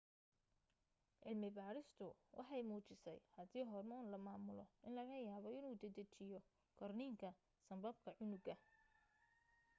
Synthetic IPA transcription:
ʕɪlmɪbaːɾɪst̪ʰʊwʔɑ̰ħɑjmuːt͡ʃɪsɛ̰jhɐd̪iːɦɔrmɔːnlɐmaːmʊlɔ̰ʔɪnlɐɣɐjaːβɔɪnuːd̪ɐd̪ɐt͡ʃɪjɔ | ɡʰɐrniːŋkʰɐ | sɐmbɐb̚kʰɐʕʊnʊɡɐ

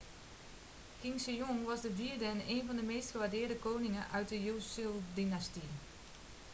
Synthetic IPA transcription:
kɪŋsəjoŋʋɑsdəviəɹdəɛneːnvɔndəmeːstxəʋadɪːɹdəkoːnɪŋənʔœɥt̚dəjusilˠdinasti

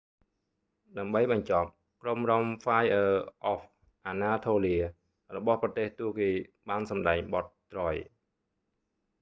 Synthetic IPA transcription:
ɗaəmɓəjɓɑɲt͡ɕɑp̚ | kromrɑmfaːjʔəːʔɔf | ʔaːnaːt̪ʰoːliə | rɔɓɑhprɑt̪eːht̪uəkeːɓaːnsɑmɗaɛŋɓɑt̪̚ːrɑj

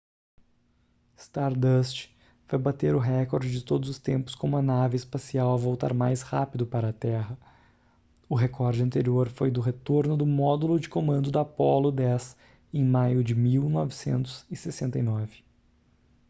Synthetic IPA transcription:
st̪aɾd̪ɐst͡ʃ | vajbat̪eɾʊɦɛkoɾd͡ʒɪd͡ʒɪt̪od̪ʊzʊst̪ẽmpʊ̥skõmʊɐnavɪɪspasiawɐvowt̪a̰ɾmajshapid̪ʊpaɾɐːt̪ɛɦɐ | ʊɦekʰɔɾd͡ʒɪɐ̃nt̪eɾioɾfojd̪ʊɦet̪oɾnʊd̪ʊmɔd̪ulʊd͡ʒɪkomɐ̃nd̪ʊd̪apɔlʊd̪ɛs | ẽj̃majʊd͡ʒɪmiwnɔvɪsḛ̃nt̪ʊ̥z̥ɪsesẽnt̪ɐjnɔvɪ

